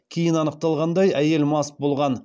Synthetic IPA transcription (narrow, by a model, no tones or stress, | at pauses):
kʲʰejɪnɑnəq̚t̪ɑlˠʁɑnd̪ɑjæje̞lmɑs̚bo̞lˠʁɑn